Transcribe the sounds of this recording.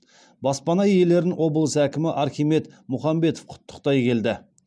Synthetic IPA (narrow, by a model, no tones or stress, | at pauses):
bɑspɑnɑje̞le̞ɾɪnʔwʔo̞bəlˠəsækʲɪmɪʔɑɾχʲijme̞t̪ | mʊχɑmbe̞t̪ofqʰʊ̥t̪ʰːə̥q̚t̪ɑjkʲʰe̞ld̪ɪ